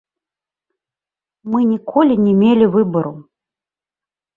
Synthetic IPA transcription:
mɨnʲikʰɔlʲinʲɛmʲelʲivɨbɐɾṵ

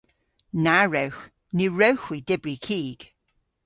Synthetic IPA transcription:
naɹɛwx | niɹɛwxwidɪbɹikʰiːɡ̥

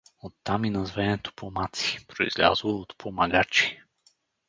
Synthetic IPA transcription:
ot̪ːaminɐzvɛnɛt̪o̥pʰomat̪si̥pɾoḭz̥lʲa̰zəlˠoot̪pʰomaɡat͡ʃi̥

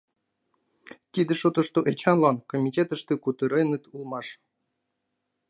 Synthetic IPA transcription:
t̪ʲid̪ɘ̆ʃot̪ŏʃt̪oʔet͡ɕɑnlˠɑnkomʲitʲet̪ə̆ʃt̪ɨkut̪ɤɾɤjnɯt̪ulˠmɑʂ

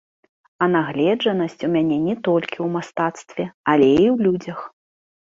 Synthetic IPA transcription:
ɐnaɣlʲɛd͡ʐɐnɐsʲt͡sʲumʲanʲɛnʲɛt̪ɔlʲkʲiwmast̪at̪st̪vʲɛɐlʲɛiwlʲud͡zʲɐx

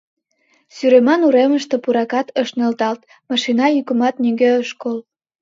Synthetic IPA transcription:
syɾemɑnuɾeməʃt̪e̽puɾɑkɑt̪əʃnelt̪ɑlt̪ | mɑʃinɑjykə̆mɑt̪nyɡeəʃkol

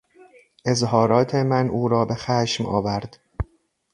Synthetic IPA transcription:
ʔe̞zɦɒːɾɒːt̪ʰemænʔuːɾɒːbe̞xæːʃmʔɒ̰ːvæɾd̪̥

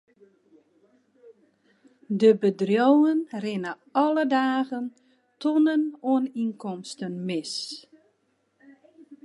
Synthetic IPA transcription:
dəbədrjowənrɪnə | ɔlədaːɣən | tɔnənoəninkɔmstənmɪs

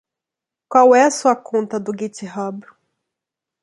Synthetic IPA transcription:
kwawɛɐsuɐkõnt̪ɐd̪ʊɡit͡ʃ̪iɦɐb

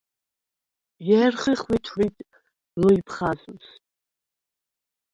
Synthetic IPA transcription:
jɛrχiχwitʰwitʼ | luipʰχazʼms

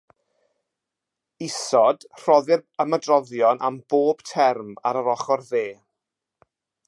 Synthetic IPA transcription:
ɪsɔd̥r̥ɔðɪrəmədrɔðjɔnamb̥oːb̥tʰɛrma̰ɾəɾɔχɔrðeː

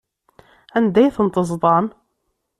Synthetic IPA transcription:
ænd̪æjθənt̪ˤəzˤd̪ˤɑn

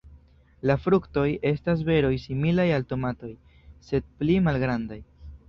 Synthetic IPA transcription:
lafɾukto̞je̞stas̬ve̞ɾo̞jsimilajalto̞mato̞j | se̞d̚plimalɡɾandaj

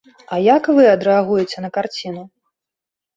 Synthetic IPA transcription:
ɐjakvɨɐd̪ɾɛaɣujɛt͡sʲɛn̪ɐkart͡sʲinu

